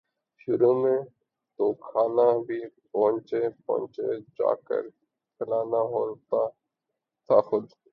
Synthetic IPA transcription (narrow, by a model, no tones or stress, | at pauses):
ʃʊɾuːmẽ | t̪oːkʰaːnabʱiːpɔɦʊ̃nt͡ʃepɔ̰̃ɦnt͡ʃḛd͡ʒa̰ːkə̰ɾ | pəlaːnaɦoːt̪a | t̪ʰaːxʊd̪